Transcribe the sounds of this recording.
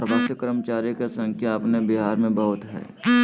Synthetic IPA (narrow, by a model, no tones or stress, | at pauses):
ɾəbʱaːsjəkəɾəmt͡ʃaːɾjokesə̃ŋkʰjaɐpnebiɦaːɾmẽbəɦʊt̪ɦɛ̰ː